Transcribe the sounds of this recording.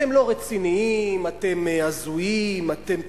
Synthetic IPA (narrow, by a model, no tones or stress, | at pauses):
e̞mlo̞ʁet͡siniimat̪e̞meazuimat̪e̞m